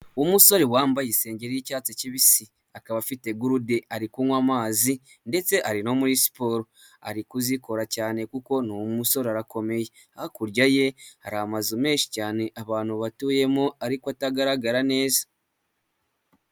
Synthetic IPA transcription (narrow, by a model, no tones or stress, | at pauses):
umuso̞ɾewaːmbajise̞ːɲɟe̞ɾijicaːt͡seciβisi | akaβafite̞ɡuɾudeaɾikuŋwamaːzi | nde̞t͡se̞ʔaɾino̞muɾisi̥poːɾo | a̰ɾikuziko̞ɾacaːne̞kuko̞nuwumuso̞ɾeaɾako̞me̞je̞ | ahakuɾɟaje̞aɾaamazume̞ːʃi̥caːne̞ʔaβaːn̥huβatuːje̞moaɾikwataɡaɾaɡaɾane̞ːzḁ